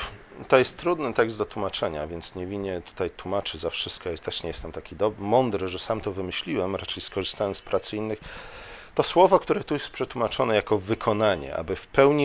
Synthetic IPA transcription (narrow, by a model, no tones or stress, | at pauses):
t̪ɔjɛst̪ːɾud̪nɘt̪ɛɡzd̪d̪ɔt̪wumat͡ʂɛɲa̰vʲjɛnt̪sɲevʲiɲːɛt̪u̥t̪ajt̪wumat͡ʂɘzafʂɘst̪̚kɔjɛst̪ɛʂɲɛjɛst̪ɛmt̪akʲid̪ɔbmɔnd̪ɾɘʐɛsamt̪ɔvɘmɘɕlʲiwɛmɾat͡ʂɛjskɔʐɨst̪awɛmspɾʔat̪sinːɘxt̪ɔswɔvɔkt̪uɾɛt̪ujɛst̪pʂɛt̪wumat͡ʂɔnɛjakɔvɘkʰɔnaɲɛ̰ʔa̰bɘfpɛwɲi